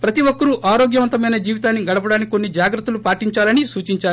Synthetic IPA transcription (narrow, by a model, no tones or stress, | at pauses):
pɾɐt̪iʋokːɐɾuʔaːɾoːɡjɐʋɐnt̪ɐmɐjnɐd͡ʒiːʋit̪aːnːiɡɐɽɐp̬ɐɽaːnikkːo̞nːid͡ʒaːɡɾɐt̪ːulupaːʈiɲt͡ʃaːlɐnisuːt͡ʃiɲt͡ʃaːɾu